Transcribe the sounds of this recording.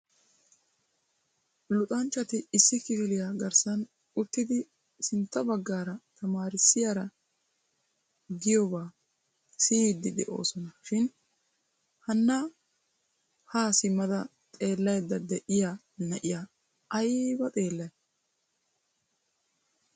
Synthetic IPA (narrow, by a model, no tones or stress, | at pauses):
lʊt̪ʼɐnt͡ʃːɐt̪ɪɪsːɪkɪfɪlɪjaɡɐɾsɐn | ʊt̪ːɪd̪ɪ | sɪnt̪ːɐbɐɡːaːɾɐt̪ʰɐmaːɾɪsːɪjaɾɐ | ɡɪjobaː | siːd̪ːɪd̪ɛ̰ʔo̞ːsɔnɐʃɪn | hɐnːɐ | haːsɪmːɐd̪ɐ | t̪ʼe̞ːlːɐjd̪ːɐd̪ɛʔɪja | nɐʔɪja | ɐjbɐt̪ʼe̞ːlːɐjɐ